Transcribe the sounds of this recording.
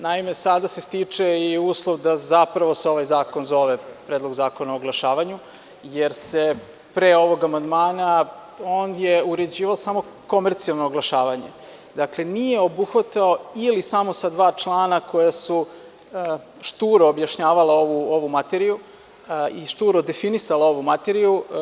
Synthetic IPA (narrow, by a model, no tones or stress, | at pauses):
naime̞sad̪asest̪it͡ʂe̞iuːslˠoʋd̪azapɾaʋo̞seo̞ʋajzaːko̞nzo̞ʋepɾed̪lˠozaːkonaooɡlˠaʃaːʋaɲu | jeɾse̞ | pɾeo̞ʋo̞ɡamand̪maːna | oːnjeuɾe̞d͡ʑiːʋaosamo̞ | ko̞me̞ɾt̪sialˠnoːɡlˠaʃaːʋaɲe̞ | d̪akle̞nijeo̞buxʋat̪ao̞ilisamo̞sad̪ʋaːt͡ʃlˠaːnakojasu | ʃt̪uːɾoːbjaʃɲaːʋalao̞ʋuoʋumat̪eɾiju | iʃt̪uɾod̪e̞finisalao̞ʋumat̪eɾiju